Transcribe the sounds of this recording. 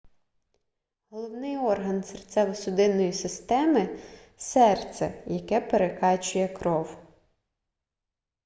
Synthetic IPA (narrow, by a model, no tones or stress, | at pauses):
ɦɔlˠɔwnɪjɔrɦɐnsert̪sʲɛʋɔsʊd̪ɪnːɔjisɪst̪ɛmɪ | sɛrt̪sʲɛ̰jɐkɛpeɾekɑt͡ʃʊjɛkɾɔw